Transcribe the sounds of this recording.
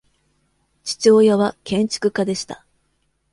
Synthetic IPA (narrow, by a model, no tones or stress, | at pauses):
t͡ɕi̥t͡ɕo̞ːjaβakẽ̞ɲ̟t͡ɕi̥kɯ̟kad̪e̞ɕi̥t̪a